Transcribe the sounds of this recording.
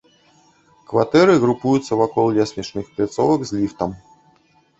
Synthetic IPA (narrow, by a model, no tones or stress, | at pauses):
kvat̪ɛɾɨɣɾupujut̪sːɐvakɔlˠlʲɛsʲnʲit͡ʂnɨxplʲat̪sɔvɐɡzlʲift̪ɐm